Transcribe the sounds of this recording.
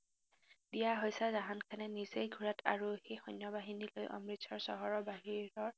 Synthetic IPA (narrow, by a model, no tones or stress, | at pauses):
dijaɦojsazaɦankʰanɛnizejɡʱuɹatʰa̰ɹuxejxɔnjɔbaɦinilojʔɔ̰mɹitsʰɔɹsɔ̰ɦɔɹɔbaɦiɹɔɹ